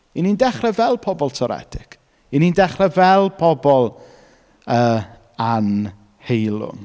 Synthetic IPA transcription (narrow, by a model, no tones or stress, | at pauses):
inindɛχrɛvɛlˠpʰɔbɔlˠtʰɔɾɛ̰dɪk | inindɛχrɛvɛlˠpʰɔbɔlˠ | əː | an | hejlˠʊ̰n